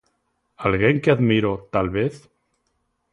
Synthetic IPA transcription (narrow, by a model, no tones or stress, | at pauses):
alɣeŋkeaðmiɾot̪alβeθ